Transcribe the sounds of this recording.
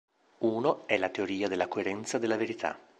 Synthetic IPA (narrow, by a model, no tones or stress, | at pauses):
uːnoɛlat̪eoɾiːad̪elːakoeɾɛnt̪sad̪elːaveɾit̪ʰa̰